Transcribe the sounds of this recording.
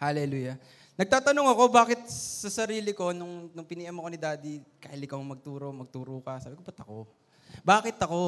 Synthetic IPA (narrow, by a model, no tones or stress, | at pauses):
halɛluːjɐ | nɐɡ̚t̪aːt̪ɐnoŋɐko̞baːkɪt̪̚sɐsɐɾiːlɪko̞nʊŋnʊŋpɪniːʔɐmɐko̞nɪd̪aːd̪ika̰ːilɪkɐmomɐɡ̚t̪uːɾo̞mɐɡ̚t̪uːɾokɐsaːbɪkobɐt̪ɐko̞ | baːkɪt̪ɐko̞